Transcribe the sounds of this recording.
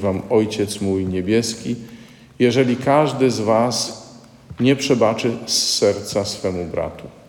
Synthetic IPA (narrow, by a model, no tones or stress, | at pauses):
vamɔjt͡ɕɛt̪smujɲɛbʲjɛskʲi | jɛʐɛlʲikaʐd̪ɘzvas | ɲɛpʂɛbat͡ʂɘsːɛɾt̪sasfɛmubɾa̰t̪u